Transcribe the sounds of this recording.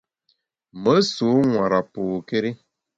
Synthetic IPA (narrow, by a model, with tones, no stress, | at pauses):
mə˦su˨˦ŋʷa˨ɾa˨pu˨ke˦ɾi˦